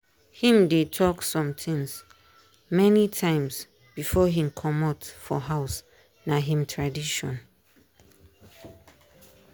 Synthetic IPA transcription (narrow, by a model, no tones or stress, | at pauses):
hĩmdetʰɔksɔ̃mtʰĩŋs | mɛnitʰãɪ̃ms | b̥ifɔɦĩmkʰɔmatfɔɦaʊs | naɦĩmtʰɹadiʃɔ̃n